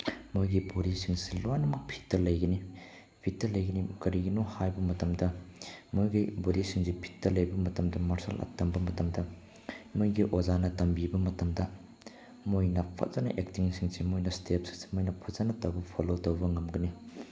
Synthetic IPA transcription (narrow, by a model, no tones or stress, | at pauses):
mojɡiboɾisiŋsilojnɐmɐk̚pʰi̥tːɐlɐjɡɐni | pʰitːɐlɐjɡɐnikɐɾiɡinohajbɐmɐtɐmdɐmojɡiboɾisiŋsipʰi̥tːɐlɐjbɐmɐtɐmdɐmɐɾsɐ̰lʔɐ̰tɐmbɐmɐtɐmdɐ | mojɡiʔozanɐtɐmbibɐmɐtɐmdɐ | mojnɐpʰɐ̰t̚z̥ɐnɐ̰ʔek̚tiŋsʰiŋsimojnɐstʰep̚si̥ŋsi̥mojnɐpʰɐzanɐtɐwbɐpʰolotɐwbɐŋɐmɡɐni